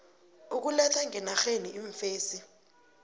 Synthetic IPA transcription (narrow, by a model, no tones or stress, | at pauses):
uk̬ulɛtʰaŋɛnaxeniʔiɱfeːsi